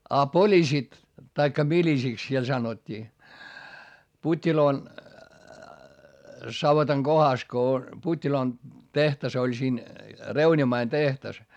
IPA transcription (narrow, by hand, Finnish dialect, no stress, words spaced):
ɑ polisit tɑikːɑ milisiks siel sɑnotʲːiː putʲːiloː sɑʋotɑŋ ɡ̊ohɑs ko putʲːiloːn tehtɑs olʲ siːn reunʲimɑin tehtɑs